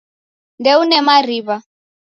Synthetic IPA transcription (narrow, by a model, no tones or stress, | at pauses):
ndɛunɛmaɾiβa